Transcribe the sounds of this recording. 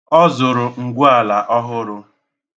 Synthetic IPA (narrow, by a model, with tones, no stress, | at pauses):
ɔ˦zʊ˨ɾʊ˨ŋ̩˨ɡʷʊ˦a˨la˨ʔɔ˦ɦʊ˦ɾʊ˦